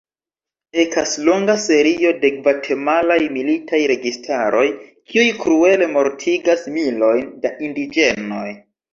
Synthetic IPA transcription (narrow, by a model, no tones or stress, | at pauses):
ekaslo̞ŋɡase̞ɾio̞de̞kvatʰe̞malajmilitʰajɾe̞ɡistʰaɾo̞jkʰiujkɾue̞le̞mo̞ɾtʰiɡasmilo̞jndaʔindid͡ʒe̞no̞j